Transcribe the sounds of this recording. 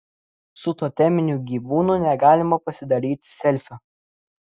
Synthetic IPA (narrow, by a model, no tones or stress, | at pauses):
sʊt̪oːt̪ʲɛmʲɪnʲuɡʲiːʋuːnunʲɛɡɑːlʲɪmɐpɐsʲɪd̪ɐɾʲiːt̪ʲsʲɛlʲfʲɐ